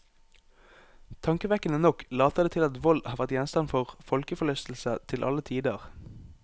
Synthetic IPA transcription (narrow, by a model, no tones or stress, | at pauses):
t̪ʰɑŋkəʋɛkənənɔklɑːt̪əd̪eːt̪ʰɪlɑt̪ʋɔld̪hɑːʋæʁt̪jɛnst̪ɑnfɔʁfɔlkəfɔlœst̪l̩sət̪ʰɪlʔɑ̰lət̪ʰiːd̪əʁ